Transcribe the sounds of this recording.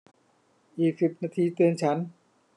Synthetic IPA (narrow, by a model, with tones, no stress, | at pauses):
ʔiː˨˩k̚si˨˩p̚naː˧t̪ʰiː˧t̪ɯ˧ənt͡ɕʰa˦˥n